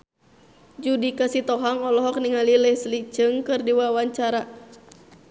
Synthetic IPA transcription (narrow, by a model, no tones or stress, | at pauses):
d͡ʒudikasit̪ɔɦaŋɔlɔɦɔk̚niŋalilɛhslit͡ʃɨŋkɨrdiwawaɲt͡ʃaɾa